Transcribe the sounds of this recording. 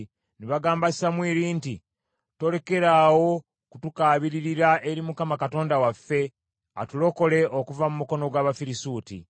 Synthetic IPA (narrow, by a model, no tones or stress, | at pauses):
neβaɡaːmbasamwiːɾiːnti | to̞le̞ke̞ɾaːwo̞ | kutukaːβiɾiɾiɾaʔe̞ɾimukamakato̞ːndawafːe̞ | a̰tulo̞ko̞le̞ʔokuvamumuko̞no̞ɡwaːβafiɾisuːtḭ